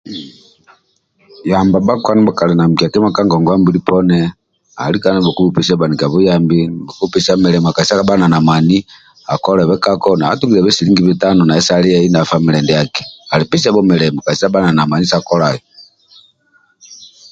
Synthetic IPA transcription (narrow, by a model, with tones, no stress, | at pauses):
jamba˨ba˦kwa˦nɛ˦ba˨ka˨lɛ˨na˨m̩˨ki˨a˨kɛ˦ma˦ka˦ŋɡɔ˨ŋɡwa˦mbi˨lipɔnɛ˦ | a̰˨li˦ka˦nɛ˦βɔ˨ku˦bu˨pɛ˨sa˦ba˨ni˨ka˨βu˦jambibɔ˨ku˦pɛsa˦mɛ˨lɛ˨m˨a˨ka˨isa˦kaba˦na˨na˨ma˨ni | a˨kɔ˦lɛ˨βɛ˦ka˦kɔna˨a̰˦tu˦ŋɡi˨lɛ˨βɛ˦si˨li˦ŋɡi˦βi˨ta˦nɔ˨na˨ɛ˦sa˦li˦ɛ˦i˦na˨fami˨lɛ˨ndɛ˨jakɛ̥˨a˨li˨pi˦sa˦βɔ˦mɛ˨lɛ˨mɔ˨ka˨isa˦ba˦na˨na˨ma˨ni˦sa˨kɔ˦la˨jɔ